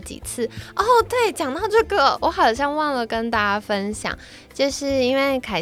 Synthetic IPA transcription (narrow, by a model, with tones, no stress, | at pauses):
t͡ɕḭ˨˩t͡sʰɹ̩˥˩ɔ˥˩t̪we˥˩ɪt͡ɕjɑ˨˩ŋt̪ɑ˥˧ʊʈ͡ʂɤ˥˩ɡə˩wɔ˧˥xɑ˨˩ʊɕjɑ˥˧ŋwɑ˥˩ŋlə˩kə˥nt̪a˥˩t͡ɕa˥fə˥nɕjɑ̰˨˩˦ŋ | t͡ɕjo˥˧ʊʂɻ̩˥˩i˥nwe˥˩ɪkʰa˨˩